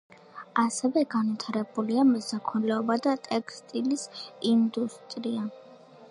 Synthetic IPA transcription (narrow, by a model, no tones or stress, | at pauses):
asɛvɛɡanvit̪ʰaɾɛbuliamɔsak̪ʰɛlɛɔbad̪at̪ʼɛkʰst̪ʼilisind̪ust̪ʼɾia